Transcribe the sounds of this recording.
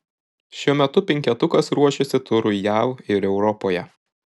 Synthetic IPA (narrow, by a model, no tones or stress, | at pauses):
ʃʲuɔmʲɛt̪ʊpʲɛŋʲkʲɛt̪ʊkɐsɾuɔʃʲɛsʲɪt̪ʊɾʊjæˑʊɪɾɛʊɾɔpoːjɛ